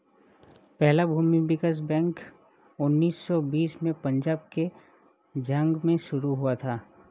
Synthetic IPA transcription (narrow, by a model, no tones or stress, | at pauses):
pɛɦlabʱuːmibɪkəs̬bɛ̃ːŋk | ʊnːiːsːɔbiːsmẽpɐ̃ɲd͡ʒaːb̚ke | d͡ʒə̃ŋɡmẽʃʊɾuɦuat̪ʰaː